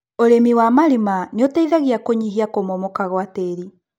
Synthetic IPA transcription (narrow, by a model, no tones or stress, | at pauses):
oɾemiwamaɾimaneotaiðaɣiakoɲiɦiakomɔmɔkaɣwateɾi